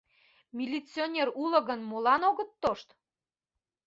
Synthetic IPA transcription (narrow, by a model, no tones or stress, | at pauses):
mʲilʲit͡sʲionʲerulə̆ɣənmolɑnoɣət̪ːoʃt̪